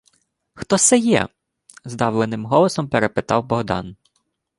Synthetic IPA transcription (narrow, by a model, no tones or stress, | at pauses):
xt̪ɔsɛjɛ̰ | zd̪ɑwlˠenɪmɦɔlˠɔsɔmpeɾepɪt̪ɑwbɔɦd̪ɑ̰n